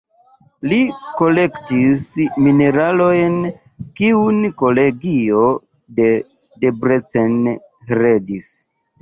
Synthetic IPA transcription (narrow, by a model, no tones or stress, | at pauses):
liko̞le̞ktismine̞ɾalo̞jn | kiunko̞le̞ɡio̞ | de̞ | debɾet͡sen | ɾedis